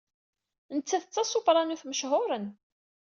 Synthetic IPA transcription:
nət͡sːæθət͡sːɑsˤofɾˤɑnuθməʃɦʊɾən

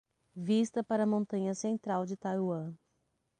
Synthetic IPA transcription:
vist̪ɐpaɾɐmõnt̪ɐ̃ɲɐsẽnt̪ɾawd͡ʒɪt̪ajwɐ̃

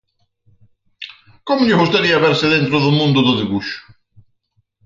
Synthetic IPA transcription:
kɔmʊʎɪɣust̪aɾiaβɛɾsɪðent̪ɾoðomũnd̪ʊðoðiβuʃʊ̥

